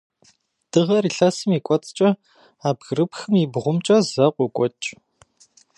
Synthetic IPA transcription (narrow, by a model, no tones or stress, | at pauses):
d̥ɨʁɐriːɬɐsɨmiːkʷʼɔt͡sʼt͡ʃʼɐ | aːbɣrɨpxɨmiːbʁʷʊmt͡ʃʼɐzɐqʷɔkʷʼɔt͡ʃʼ